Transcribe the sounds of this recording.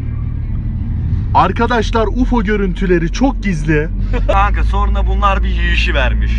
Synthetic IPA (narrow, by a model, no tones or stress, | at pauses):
aɾkʰad̪aʃlˠaɾufo̞ɟø̞ɾynt̪ʰylʲe̞ɾit͡ʃʰok̚ɟizlʲi | aŋkaso̞ɾnabunlˠaɾbijijiʃivæɾmiʃ